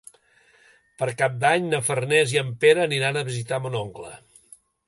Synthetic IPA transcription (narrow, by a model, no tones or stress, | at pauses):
pəɾkap̚d̪aɲnəfərneziəmpeɾəːniɾanəβizit̪amunoŋklə̰